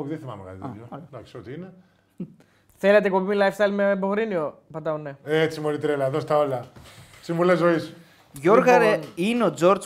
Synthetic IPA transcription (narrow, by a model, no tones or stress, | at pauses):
opðeθimɐ̰mekɐ̰t̪it̪jod̪ɐksiot̪iine | θelet̪ekopimilɐjfst̪ɐjilmeboɣɾiniopɐt̪ɐonːeet͡simolit̪ɾelɐðo̞st̪ɐolɐsimvulezois | ʝoɾɣɐɾeineo̞d͡zo̞ɾd͡z